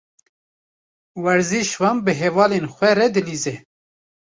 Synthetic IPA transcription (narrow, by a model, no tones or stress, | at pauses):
wɛɾziʃwɑmbɨɦevɑːlenxʷɛɾɛd̪ɨliːzɛ